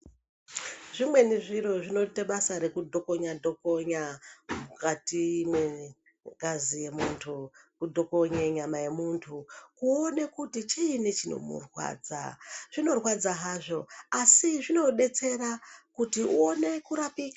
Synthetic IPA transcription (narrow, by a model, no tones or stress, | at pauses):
ʐimwe̞niʐiɾo̞ʐino̞teɓasaɾe̞kudʱo̞ko̞ɲadʱoko̞ɲamukatimwe̞ | ɡazije̞muːntʰukudʱoko̞ɲeɲamaje̞muntʰukuone̞kutit͡ʃiːnit͡ʃino̞̰mṵrwa̰ːd͡za̰ʐ̥ino̞rwad͡zaɦaːʐo̞asiʐino̞ɗe̞t͡se̞rakutiʔuone̞kuɾapiːkḁ